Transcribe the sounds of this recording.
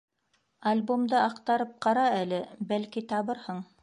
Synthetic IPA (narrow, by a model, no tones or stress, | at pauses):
ɐlʲbomd̪ɤɑqt̪ɑɾɤp̚qɑɾɑælɘbælkit̪ɑβɤɾhɤɴ